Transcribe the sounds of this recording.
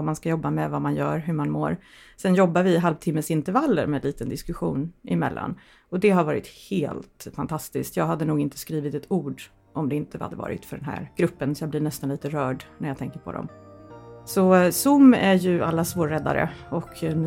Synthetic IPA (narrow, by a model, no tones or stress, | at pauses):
amanskajɔbːamɛvamanjœ̰ːɾɦɵɾmanmo̰ːɾ | sɛnjɔbːaɾvɪɦalvt̪ʰɪmːəsɪnt̪əɾvalːə̰ɾmɛd̪liːt̪ənd̪ɪskɵɧuːnɪmɛ̰lːa̰n | ɔd̪ɛɦaɾvɑːɾɪ̰t̪heːlt̪fant̪ʰast̪ɪskt̪jɑːɡɦad̪ːənuːɡɪnt̪ə̥skɾiːvɪt̪ɛt̪ʰuːɖ | ʔɔmd̪ɛɪnt̪ʰəva̰d̪ːəvɑ̰ːɾɪ̰t̪fœɖɛnɦæ̰ɾɡ̥ɾɵpːənsɔjaːblɪɳɛst̪anliːt̪əɾœːɖnæɾjat̪ʰɛŋkəɾpʰɔ̰d̪ɔ̰m | sɔsʊmːæɾjɵa̰lːasvoːɾːɛd̪ːa̰ɾə̰ɔkʰ